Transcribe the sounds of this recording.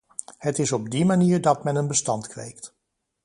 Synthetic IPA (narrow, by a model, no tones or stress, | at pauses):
hətɪsɔb̚dimaniːɹdɑtmɛnənbəstɑntkʋḛjkt